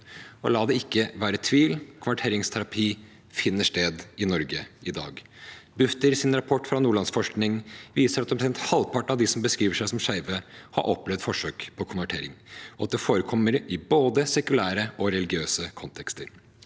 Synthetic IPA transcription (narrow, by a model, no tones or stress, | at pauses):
ɔ̰lɑːd̪ɛɪkːəʋæːɾət̪ʰʋiːlkʰʊnʋæʈʰeːɾɪŋst̪ʰæɾɑpʰiː | fɪnːəʂʈeːd̪ɪnɔɾɡəɪd̪ɑ̰ːɡ | bʉft̪əɾsɪnɾɑpʰɔʈːfɾɑnuːɭɑnsfɔʂknɪŋʋiːsəɾɑt̪ɛmpɾsɛnt̪hɑlpʰɑʈːɳ̩ɑʋd̪ɪsɔmbəskɾiːʋəʂæɪsɔmʂæɪʋəhɑ̰ɾʔɔplɛʋd̪fɔʂøːkpʰɔkʰʊnʋæʈʰḛːɾɪ̰ŋɔɑt̪̚d̪ɛfoːɾəkʰɔmːəɾɪboːd̪əsɛkʉlæːɾəɔɾɛlɪɡɪøːsəkʰɔnt̪ʰɛkst̪əɾ